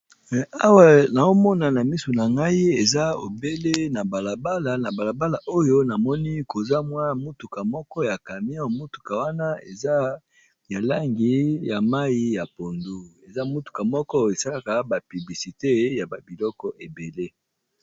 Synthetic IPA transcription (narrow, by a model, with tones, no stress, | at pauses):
a˦wa˨na˨o˦mɔ˦na˨na˨mi˦so˨na˨ŋɡa˦i˦e˨za˦o̰˨be˦le˦na˨ba˨la˨ba˦la˨na˨ba˨la˨ba˦la˨ʔo˦jo˦na˨mɔ˦ni˦ko˨za˦mwa˦mo˦tu˨ka˨mɔ˦kɔ˦ja˨ka˨mi˦ɔ̃˦˨mo˦tu̥˨ka˨wa˦na˦ḛ˨za˦ | ja˨la˦ŋɡi˨ja˨ma˦i˦ja˨po˨ndu˦e˨za˦mu˦tu̥˨ka˨mɔ˦kɔ˦e˨sa˦la˦ka˨ba˨py˨bli˨si˨te˦ja˨ba˨bi˨lɔ˦kɔ˨ʔe˨be˨le˦